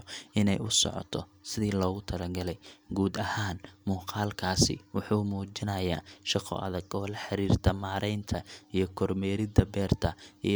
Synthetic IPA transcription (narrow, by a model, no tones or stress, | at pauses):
ʔɪnɛjʊsɔ̰ʕɔ̰t̪ʰɔ̰sɪðiːlɔːɣʊt̪ʰɐlɐɡɐlɛjɡuːd̪ɐhaːnmuːqʰɑːlkʰaːsɪ̰wʊħuːmuːt͡ʃɪnɐjaːʃɑqʰɔ̰ɐ̰ðɐɡɔːlɐħɑɾiːrt̪ʰɐmaːɾɛjnt̪ʰɐijɞkʰɔrmɛːɾɪd̪ɐbɛːrt̪ʰɐi